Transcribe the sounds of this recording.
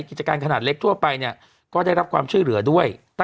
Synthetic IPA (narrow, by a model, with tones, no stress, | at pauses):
ki˨˩t͡ɕa˧kaː˧nkʰa˧naː˨˩t̪̚le˦˥k̚t̪ʰu˥˩ɐpa˧jni˥˩ə | kɔː˥˩da˥˩jɾa˦p̚kʰwaː˧mt͡ɕʰu˥˩lɯ˩˦ɐdu˥˩əjt̪a˥